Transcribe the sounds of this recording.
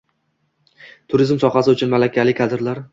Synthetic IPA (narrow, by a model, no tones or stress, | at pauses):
t̪ʰʊɾɪzmsɒχasɪʊt͡ʃʰʊnmalakʲʰalɪkʰad̪ɪɾlaɾ